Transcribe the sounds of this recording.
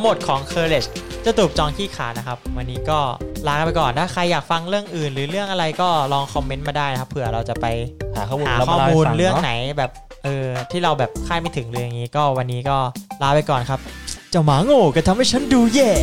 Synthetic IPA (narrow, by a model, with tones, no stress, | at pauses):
mo˨˩t̪̚kʰɔː˩˦ŋkʰɤː˧le˨˩t͡ɕt͡ɕa˨˩t̪uː˨˩p̚t͡ɕɔː˧ŋkʰiː˥˩kʰaː˩˦na˦˥kʰa˦˥p̚wa˧nːiː˦˥kɔː˥˩laː˦˥ka˧pa˧jkɔː˨˩nt̪ʰaː˥˩kʰa˧jːaː˨˩k̚fa˧ŋɾɯ˥˩əŋʔɯː˨˩nɾɯː˩˦ɾɯ˥˩əŋʔa˧ɾa˧jkɔː˥˩lɔː˧ŋkʰɔ˧mːe˧˦˥nmaː˧daː˥˩jna˦kʰa˦˥pʰːɯ˨˩ɐɾa˧wt͡ɕa˨˩pa˧jha˨˦ɔː˥˩˧aː˩˦ɔː˥˩muː˧n˧ɾɯ˥˩əŋna˩˦jbɛː˨˩p̚ | ʔɤː˧t̪ʰiː˥˩ɾa˧wbɛː˨˩p̚kʰaː˥˩ma˥˩jt̪ʰɯ˩˦ŋlɯː˧ja˨˩ŋiː˦˥kɔː˥˩wa˧nːiː˦˥kɔː˥˩laː˦˥pa˧jkɔː˨˩nkʰa˦˥p̚t͡ɕa˨˩maː˨˩˦ŋoː˧˩kaː˧˩t̪ʰa˧mha˥˩jt͡ɕʰa˦˥nduː˧jɛː˧˩